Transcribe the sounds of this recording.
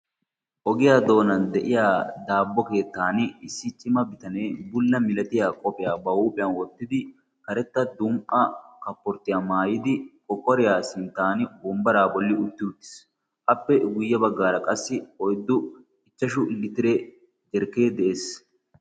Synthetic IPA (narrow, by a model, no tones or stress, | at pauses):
ʔɔɡɪjaːd̪o̞ːnɐnd̪ɛʔɪjaːd̪aːbːɔke̞ːt̪ːaːnɪɪsːɪt͡ʃʼɪmɐbɪt̪ɐne̞ːbʊlːɐmɪlɐt̪ɪjaːkʼɔpʼɪjaːbɐuːpʼɪjɐnwɔt̪ːɪd̪ɪ | kɐɾɛt̪ːɐd̪ʊmʔɐkɐpːɔɾt̪ːɪjaːmaːjɪd̪ɪkʼɔkːɔɾɪjaːsɪnt̪ːaːnɪbɔmbɐɾaːbɔlːɪʊt̪ːɪʊt̪ːɪ̥s | ʔɐpːɛɡʊjːɐbɐɡːaːɾɐkʼɐsːɪɔjd̪ːʊ | ɪt͡ʃːɐʃʊɪlːɪt̪ɪɾe | d͡ʒɛɾke̞ːd̪ɛʔe̞ːs